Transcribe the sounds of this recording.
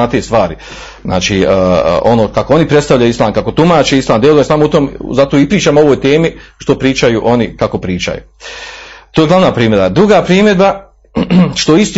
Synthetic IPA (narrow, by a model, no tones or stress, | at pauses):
at̪est̪ʋaːɾi | zna̰ːt͡ʃiːo̞noːkako̞o̞nipɾe̞t̪st̪aʋʎajuislˠaːmkako̞t̪umaːt͡ʃeislˠaːmd̪elod̪onsaːmout̪oːmzat̪oipɾiːt͡ʃamoo̞ʋoːjt̪eːmiʃt̪opɾiːt͡ʃajuʔo̞nikako̞pɾiːt͡ʃa̰jṵː | t̪ojɡlˠaʋnaːpɾiːmed̪bad̪ɾuɡaːpɾiːme̞d̪ba | ʃt̪o̞ist̪i